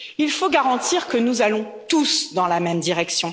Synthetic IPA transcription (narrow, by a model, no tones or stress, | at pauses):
ilfoɡaʁɑ̃t̪ʰiʁkənuzalɔ̃ | t̪usd̪ɑ̃lamɛmd̪iʁɛksjɔ̃